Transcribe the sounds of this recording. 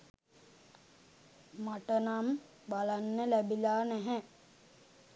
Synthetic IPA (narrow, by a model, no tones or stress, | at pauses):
maʈənam | balanːəlæbilaːnɛɦɛ